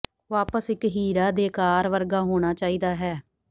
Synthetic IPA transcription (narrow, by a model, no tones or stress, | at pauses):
ʋaːpəsɪkɦiːɾaːd̪eːkaːɾʋəɾɡaːɦoːɽ̃aːt͡ʃaːiːd̪aːɦɛː